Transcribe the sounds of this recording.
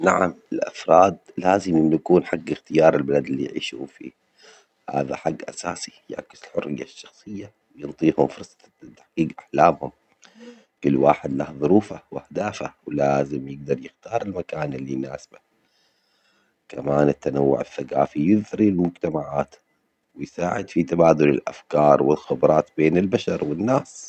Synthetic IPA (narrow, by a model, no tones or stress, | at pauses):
naʕamɪlʔa̰fɾˤɑːd̪laːzɪmʔɪnːjakuːnħaɡːɪxt̪ɪjɑːɾˤɪlbalad̪ɪlːḭjʕḭːʃṵːfḭː | ha̰ːða̰ħaɡːʔasaːsi̥jɪʕakːɪzɪlħʊrːɪ̰jːaʃːɑ̥xsˤɨjːa | wjɨnt̪ˤiːhʊmfʊɾsˤɑ̥ | t̪ːḁħɡiːɡʔaħlaːmhʊm | kʊlːwaːħɪd̪lahðˤʊɾuːfawʔahd̪aːfawɪlaːzɪmjɪɡ̚d̪ɑɾˤjɪxt̪ɑːɾˤɪlmakaːnɪlːina̰ːsba | kamaːnɪt̪ːanawːʊ̰ʕaθːaɡaːfijɪðɾilmʊd͡ʒt̪amaʕaːt̪ | wɪjsaːʕɪd̪fit̪abaːd̪ʊlɪ̰lʔa̰fkɑːɾˤwɪlxɪbɾˤɑːt̪beːnɪlbaʃɑɾˤwɪnːaːs